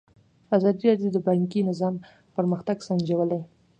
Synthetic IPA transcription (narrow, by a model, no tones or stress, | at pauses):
ɑzɑd̪iɾɑdjod̪əbaŋkinɪzɑm | pəɾməxt̪aɡsand͡ʒawəlaj